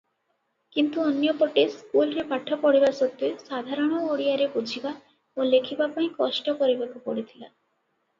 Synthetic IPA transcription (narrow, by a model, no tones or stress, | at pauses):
kint̪uɔnjɔpɔʈeskulɾepaʈʰːɔkɔɽibasot̪ːesad̪ʱaɾɔɽ̃ɔoɽijaɾebud͡ʒʱiba | olekʰibapaĩkɔʃʈɔkoɾibakupoɽit̪ʰila̰